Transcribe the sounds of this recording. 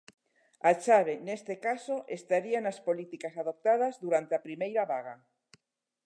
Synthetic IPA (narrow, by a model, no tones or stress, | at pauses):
at͡ʃaβ̞enest̪ekasoʔest̪aɾianaspolit̪ikasaðop̚t̪að̞azðuɾant̪eapɾimejɾaβaɣ̞a